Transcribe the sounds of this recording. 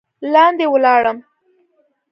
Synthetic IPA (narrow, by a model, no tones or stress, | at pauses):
lɑnd̪ewəlɑɽəm